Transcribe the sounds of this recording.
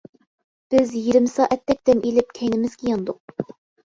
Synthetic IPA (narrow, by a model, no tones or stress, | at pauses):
b̥ɪzjiɾɪmɪsɑːʔɛt̪ːɛk̚ʲd̪ɛmelɪp̚kʲʰɛjnɪmɪz̥kʲijɑnd̪ʊq̚